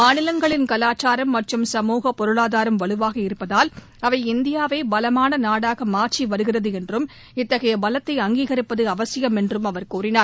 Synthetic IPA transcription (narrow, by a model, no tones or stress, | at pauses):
maːnɪlɐŋɡɐɭɪnkɐlaːt͡ʃaːɾɐmːɐʈrɯmsɐmuːɣɐpːɔɾɯɭaːðaːɾɐmʋɐɭɯʋaːɣɐɪɾɯpːɐðaːl | ɐʋɐɪɪnd̪ɪjaːʋɐɪbɐlɐmaːnɐnaːɽaːɣɐmaːɾt͡ʃiʋɐɾɯɣɪrɐðɯɛndrɯm | ɪt̪ːɐɣɐjɐbɐlɐt̪ːɐɪɐŋɡiːɣɐɾɪpːɐðɯɐʋɐsɪjɐmɛndrɯmɐʋɐɾkuːrɪnaːɾ